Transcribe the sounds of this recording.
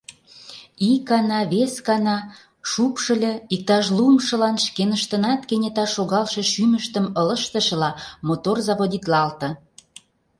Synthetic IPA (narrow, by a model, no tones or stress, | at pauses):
ikːɑnɑβeskɑnɑ | ʃupʃə̆lʲĕik̚t̪ɑʃ̬lumʃə̆lɑnʃkenəʃt̪ə̆nɑt̪kenʲet̪ɑʃoɣɑlʃĕʃyməʃt̪ə̆mələ̆ʃt̪ə̆ʃə̆lɑmot̪orzɑβod̪it̪lɑlt̪ɤ̆